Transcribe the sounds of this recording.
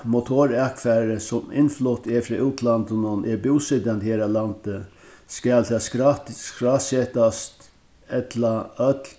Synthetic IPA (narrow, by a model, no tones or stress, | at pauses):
mʊt̪ʰoːɾakfæːɾəsʊmɪ̰nflʊt̪ɛfɾɑːʔuːt̪ʰlant̪ənʊnɛɹbuwsɪd̪jant̪heːɾalant̪ə | skælt̪ʰɛːskɹaːsɛːt̪ast̪ | ɛt̪laœt̪l